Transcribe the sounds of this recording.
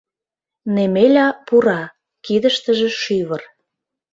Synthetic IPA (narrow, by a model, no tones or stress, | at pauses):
nemelʲɑpuɾɑ | kid̪əʃt̪əʒĕʃyβər